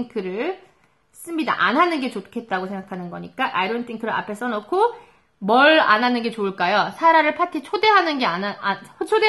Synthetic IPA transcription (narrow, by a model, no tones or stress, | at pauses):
ŋkʰɯɾɯɭ | s͈ɯmɲida̰ʔa̰nɦanɯnɡe̞t͡ɕokʰe̞t̚t͈aɡosʰeŋɡakʰanɯnɡʌɲik͈aʔaiɾontʰiŋkʰɯɾɯɾa̰pʰe̞s͈ʌnokʰo | mʌɭa̰nɦanɯnɡe̞t͡ɕoɯɭk͈ajosʰaɾaɾɯɭpʰatʰit͡ɕʰode̞ɦanɯnɡe̞anaat͡ɕʰode